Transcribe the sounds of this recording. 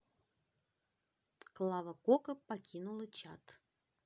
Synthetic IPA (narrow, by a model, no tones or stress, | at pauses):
t̪klˠavəkokəpakʲinulˠət͡ɕat̪